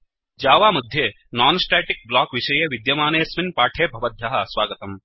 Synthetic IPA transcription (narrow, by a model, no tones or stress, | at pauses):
d͡ʒaːʋaːmɐd̪ʱjeː | naːnsʈeːʈik̚blaːkʋiʃɐjeʋid̪jɐmaːneːsminpaːʈʰeːbʱɐʋɐd̪ʱjɐɦɐsʋaːɡɐt̪ɐm